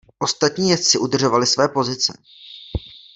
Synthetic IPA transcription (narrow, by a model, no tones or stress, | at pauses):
ʔo̞st̪at̪ɲiːjɛt̪t͡sɪʔudr̩ʒo̞valɪsvɛːpo̞zɪt͡sɛ̰